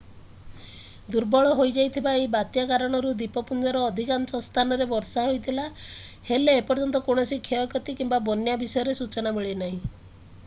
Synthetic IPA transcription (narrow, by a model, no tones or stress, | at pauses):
d̪uɾbɔɭɔɦojd͡ʒajt̪ʰibaejbat̪jakaɾɔɽ̃ɔɾud̪ipɔpund̪ɔɾɔːd̪ʱikansɔst̪ʰanɔɾebɔɾsaɦojt̪ʰila | heleːpɔɾd͡ʒɔnt̪ɔkoɽ̃ɔsikʰeɔkɔt̪ikimbabɔnjabisɔjɔɾesut͡ʃɔnamiɭenaɦĩ